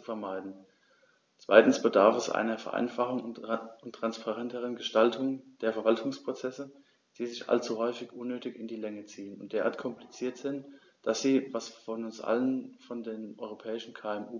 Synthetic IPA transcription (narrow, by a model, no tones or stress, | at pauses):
t͡su̥fɛɐmaɪdn̩ | t͡sv̥a̰ɪtn̩sb̥ədaɐfɛsʔa̰ɪnɐfɛɐʔa̰ɪnfaχʊŋʊntːʁ̥anspʰaʁɛntəʁ̞ənɡəʃtaltʰʊŋd̥eːɐfɛɐvaltʰʊŋspʁ̥ot͡sɛsə | d̥iːzɪçʔa̰lt͡suɦɔʏfɪçʔʊnːøːtɪçɪndiːlɛŋət͡siːənʊnt̚d̥eːɐa̰ɐtkʰɔmplit͡siːɐtz̥ɪnt | d̥asz̥iːvasfɔnʊnsʔa̰lənfɔndeːnʔɔʏʁopʰɛːɪʃn̩kʰaːɛmuː